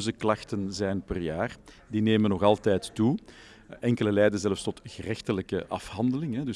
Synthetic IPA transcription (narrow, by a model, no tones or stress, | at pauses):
zəklɑxtənzɛjnpərjaːr | dineːmənːɔɣɑlˠtɛːtːu | ɛŋkələlɛːjdəzɛləfstɔtɣərɛxtələkəʔɑfhɑndəlɪŋɦɛdʏ